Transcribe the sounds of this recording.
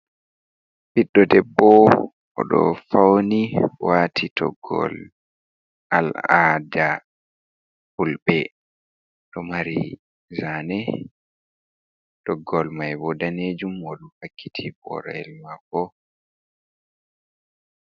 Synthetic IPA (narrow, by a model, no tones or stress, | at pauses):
piɗːɔdɛbːɔ | ɔ̰ɗɔ̰fawniwaːtʰitʰɔ̰ɡːɔ̰l | a̰lada | hulbɛ | ɗɔmaɾi | zanɛ | d̥ɔɡːɔlmajbɔdaneːd͡ʒumɔɗupakʰːitʰibɔ̰ɾɛlmakːɔ